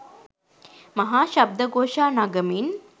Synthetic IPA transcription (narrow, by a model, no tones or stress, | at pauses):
mɐɦaːʃɐb̚d̪əɡoːʃaːnaɡəmin